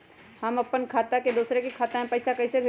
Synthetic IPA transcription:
hɐmɐpːənkʰaːt̪aked̪uːsɾekikʰaːt̪aɦɛ̃pɐːsakɐɪsebʱe

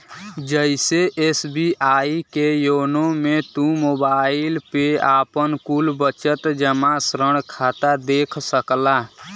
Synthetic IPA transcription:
d͡ʒəɪseʔeːsbiʔaːikejoːnomẽt̪ũmoːbaːɪlpeaːpənkuːlbət͡ʃət̪d͡ʒəmasɾəɳkʰaːt̪ad̪eːkʰsəklaː

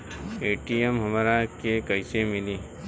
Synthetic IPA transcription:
eːʈijemɦɐmɾakekɐɪsemɪliː

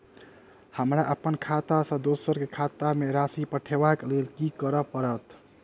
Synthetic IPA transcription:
həmɾaʔəpənkʰat̪asə̃d̪osəɾkekʰat̪ameɾasipəʈʰebaklelkikəɾəpəɾət̪

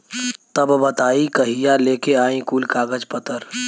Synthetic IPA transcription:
t̪əbbət̪aːikəɦijaleːkeaːĩkuːlkaːɡəd͡ʒpət̪əɾ

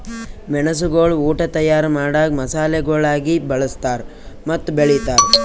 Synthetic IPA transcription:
mɛɳɐs̬uɡoɭuːʈɐt̪ɐjaːɾɐmaːɽaːɡ̚mɐsaːleɡoːɭaːɡibɐɭɐst̪aːɾ | mɐt̪ːubeɭit̪aːɾ

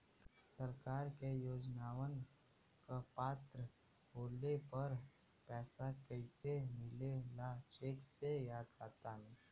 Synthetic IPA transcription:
səɾkaːɾkejoːd͡ʒnaːwən | kapaːt̪ɾə | boːlepɐɾ | pɛːsakəɪsemɪlelat͡ʃeːksejaːd̪kaːt̪aɦɛ

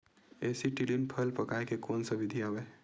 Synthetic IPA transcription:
eːsiʈilinpʰəlpəkaekekoːnsəbid̪ʱijawe

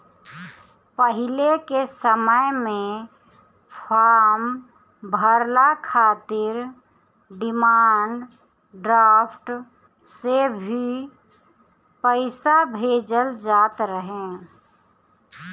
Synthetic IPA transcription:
pəɦɪlekesəməjmẽ | pʰaːɾm | bʱəɾlakʰaːt̪ɪɾ | ɖɪmaːɳɖ | ɖɾaːpʰʈ | sebʱi | pəɪsabʱed͡ʒəld͡ʒaːt̪ɾəɦẽ

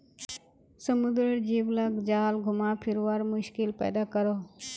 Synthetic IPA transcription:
səmʊd̪ɾəɾd͡ʒiːʋlaɡd͡ʒaːlɡʱʊmapʰɪɾʋaːɾmʊʃkɪlpɛ̰ːd̪aːkəɾoː

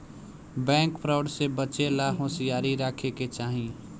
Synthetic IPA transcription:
bɛ̃ːŋkpʰɾaʊɖsebət͡ʃelaɦoːsijaːɾiɾakʰeket͡ʃaːɦĩ

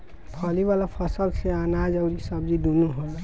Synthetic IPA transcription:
pʰəlibalapʰəsəlseanad͡ʒaʊɾisəb̚d͡ʒid̪unuɦoa

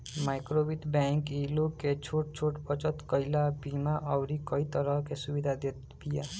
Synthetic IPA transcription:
majkɾobit̪baŋkiloket͡ʃʰoʈ̚t͡ʃʰoʈpɔt͡ʃɔt̪kɔjlabimaʔɔwɾikɔit̪ɔɾɔɦkesubid̪ʱad̪et̪pija

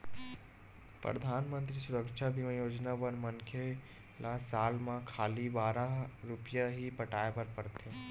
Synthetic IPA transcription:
pɾə̰d̪ʱaːnmə̃nt̪ɾisʊɾəkʃabʱimãjoːd͡ʒnabənmənkʰe | lasaːlmãkʰaːlibaːɾaɾʊpjaɦipəʈaːepəɾpɐɾt̪e

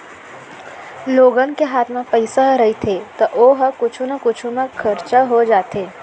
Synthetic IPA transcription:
loːɡənkeɦaːt̪ʰmẽpəɪsaɦɾɐɦit̪ʰet̪ɐʔoːɦkʊt͡ʃʰũnəkʊt͡ʃʰũmẽkʰɐɾt͡ʃaɦod͡ʒaːt̪eː

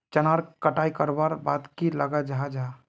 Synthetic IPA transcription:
t͡ʃənaɾkəʈaikəɾbaɾbat̪kiləɡad͡ʒad͡ʒa

